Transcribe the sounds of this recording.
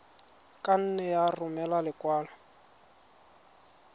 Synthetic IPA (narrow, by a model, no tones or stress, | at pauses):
kʼan̩nɛjarʊmɛlalɪkʼwaːla